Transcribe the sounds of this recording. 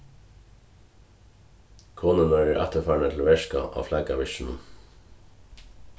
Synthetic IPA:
kʰoːnənœɹəʔæt̪əfæːɳət̪ʰl̩ʋeʃkɑ̰ʔɑ̰ːflæɡɑʋɪʃn̩ə̰n

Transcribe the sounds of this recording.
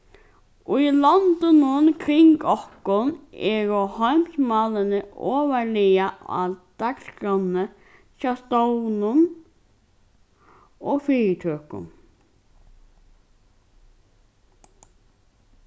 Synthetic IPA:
ɔilant̪ɪnʊnkʰɾɪŋkɔhkʊnɛɾɔhɔɥm̥smaːlɪnɪɔːvaɾlɪjaa̰ðd̪̥akskɾanːə | ʃast̪ownʊn | ɔɣfiːɻɪt̪ʰøːkʊ̰n

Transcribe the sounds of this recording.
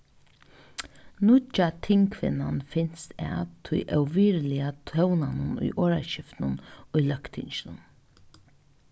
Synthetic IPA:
nʊt͡ʃat̪ʰɪŋkʰvɪ̰nanfɪn̥st̪ɛ̰ːt̪ʰʊjʔœwviːɾlɪat̪ʰœwnanʊnʊ̰jʔoːɹa̰ɕɪft̪nʊnʊjlœkt̪ʰɪnt͡ʃɪnʊ̰n

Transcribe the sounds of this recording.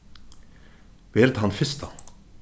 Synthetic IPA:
beːɾt̪hanfɪst̪ʰa

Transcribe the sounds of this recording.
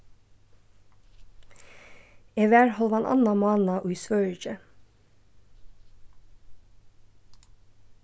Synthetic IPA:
eʋæːɹhɔlʋɑnʔɑ̰nɑmɑːnɑʔʉːsʋœɹd͡ʒə

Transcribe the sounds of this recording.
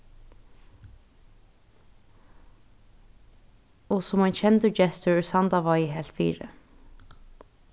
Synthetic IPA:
ɔsʊmaɪnt͡ʃʰɛnt̪əd͡ʒɛst̪əɹɛsant̪aʋajəɦɛl̥t̪fiːɹə̰

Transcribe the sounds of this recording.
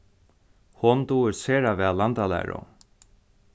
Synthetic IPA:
hɔnt̪uːɪɾseːɾavɛːlant̪alɛ̰ːjɾɔ̰

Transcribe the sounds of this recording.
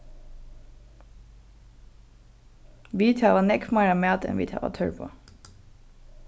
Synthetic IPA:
ʋiːt̪ʰɑːʋɑːnɛkmɑɪɹɑmeːt̪ʰɛ̰nʋḭːt̪ʰɑ̰ːʋɑ̰t̪ʰœ̰ɹpʰo̰ː

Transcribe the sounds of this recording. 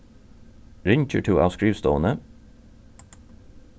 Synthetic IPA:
ɹɪɲc͡çəʈʰuːʔɑ̰ːʋskɹiːʋst̪o̰ːənə

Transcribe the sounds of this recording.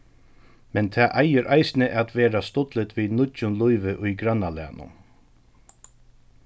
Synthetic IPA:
mɛnt̪ʰɛːʔajɪɾʔajsnɪʔat̪ʋeːɾast̪ʊt̪lɪt̪viːnʊtʊnlʊjʋɪʔʊjɡɾanːalɛ̰ːnʊ̰

